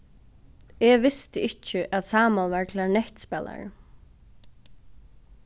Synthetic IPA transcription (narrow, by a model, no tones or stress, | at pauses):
ɛʋɪst̪ɪɪht͡ʃːɪʔaðsaːmalvaɹkʰlaɹnɛht̪spɛla̰ɹ